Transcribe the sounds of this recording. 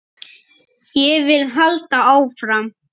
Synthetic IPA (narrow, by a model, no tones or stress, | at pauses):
jɛvɪlɦœlt̪aaːwfɾam